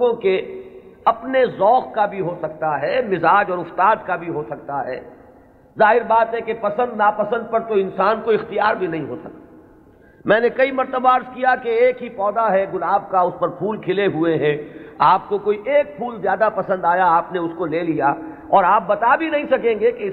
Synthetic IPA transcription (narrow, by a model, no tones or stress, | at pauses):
õke | ɐpnezɔːxkabʱiɦosɐk̚t̪aɦɛːmɪzaːd͡ʒɔːɾʊft̪aːd̪kabʱiɦosɐk̚t̪aɦɛ̰ː | zaːɦɪɾbaːt̪ɦɛkepɐsə̃nd̪naːpɐsə̃nd̪̚pɐɾt̪oɪ̃nsaːnkoɪxt̪ijaːɾbʱinɐɦĩɦosɐk̚t̪ː | mɛ̃ːnekɐimɐɾt̪əbaːɾskijakeːkɦipɔːd̪aɦɛɡʊlaːb̚kaʊspɐɾpʰuːlkʰɪleɦueɦɛ̃aːp̚kokoːiʔeːk̚pʰuːlzjaːd̪apɐsə̃nd̪aːjaaːpneʊskoleːlija | ɔːɾaːp̚bɐt̪abʱinɐɦĩsɐkẽːŋɡeke